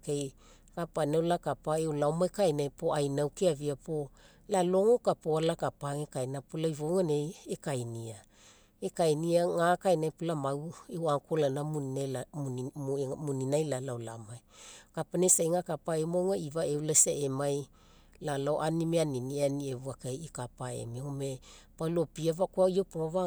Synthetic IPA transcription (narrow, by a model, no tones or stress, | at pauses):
kej | kapanewlakapaewlaomajkajnajpo̞ʔajnawkiaviapo̞ | lalo̞ŋokapoalakapaŋekajnapulaivoŋaneekajnia | ekajniaŋakajnajpulamawewaŋkolanamuna | muninajlalaolamajkapanesajŋakapaemoŋaivaewlasaemaj | lalawʔanimeaninianievuakajikapaḛmiŋomepalopiavakoaiopoaβa